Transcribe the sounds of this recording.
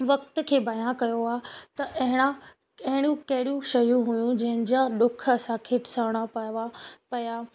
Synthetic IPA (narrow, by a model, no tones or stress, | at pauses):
ʋɐk̚t̪kʰeːbɐjãkɐjoaːt̪ɐʔɐɦɪɽ̃a | ɐɦɪɽ̃jũkɐɦɪɽijũʃɐjũɦujũd͡ʑɐ̃ɦɪ̃nɪ̆d͡ʑaɗʊkʰɐsãkʰeːʈʰɪ̥saʋɽ̃apʋapɐjaː